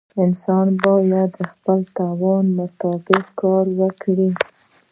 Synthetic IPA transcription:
ɪnsɑnbɑjad̪əxpəlt̪ɑwɑnmʊt̪ɑbɪqkːɑɾwəkɽi

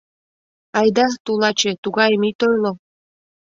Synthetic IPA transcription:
ɑjd̪ɑt̪ulˠɑt͡ɕet̪uɣɑjəmit̪ojlˠo

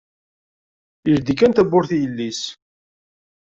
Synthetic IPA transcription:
iɾd̪ikːænt̪æbːʊɾθijəlːis

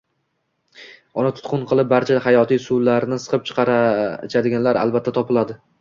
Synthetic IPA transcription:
ɒnɪt̪ʰʊ̥t̪qʰʊnqʰɨlˠɪp̚baɾt͡ʃʰahajɒt̪ʰijsulaɾnɪsɨ̥qʰɨp̚t͡ʃʰɨ̥qʰɑɾat͡ʃʰad̪ɪɡʲanlaɾa̰lˠbat̪ʰːat̪ʰɒpɪlad̪ɪ

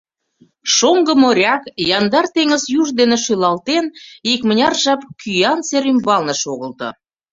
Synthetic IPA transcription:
ʃoŋɡə̆moɾʲɑkjɑnd̪ɑrt̪eŋəzjuʒd̪enĕʃylɑlt̪enikmə̆nʲɑrʒɑpkʰyjɑnseɾymbɑlnə̆ʃoɣəlt̪ɤ̰̆

